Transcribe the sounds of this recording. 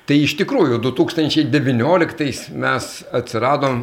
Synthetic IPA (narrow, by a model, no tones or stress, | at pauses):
t̪ɐɪɪʃt̪ʲɪkɾuːjʊd̪ʊt̪uːkst̪ɐnʲt͡ʃʲɛɪd̪ʲɛʋʲɪnʲoːlʲɪkt̪ɐɪsmʲɛs | ɐt̪ʲsʲɪɾɑːd̪oːm